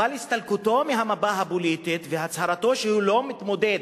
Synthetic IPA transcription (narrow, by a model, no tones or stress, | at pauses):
alist̪alkut̪o̞meɦamabaɦabolit̪it̪vehat͡shaɾat̪o̞ʃehulo̞mit̪mo̞d̪ed̪